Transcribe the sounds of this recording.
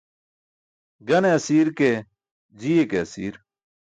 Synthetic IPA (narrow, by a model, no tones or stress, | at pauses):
ɡɐneɐsiːɾke | d͡ʑijekeɐsḭːɾ